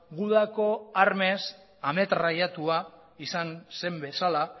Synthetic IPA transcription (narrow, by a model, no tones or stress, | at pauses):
ɡuðako̞aɾme̞s | ame̞t̪rajat̪ua | isanse̞mbe̞sala